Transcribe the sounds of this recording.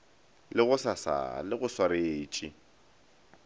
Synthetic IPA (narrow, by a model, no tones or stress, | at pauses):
lɪɣʊsasa̰lɪɣʊswaɾeːt͡ʃʼɪ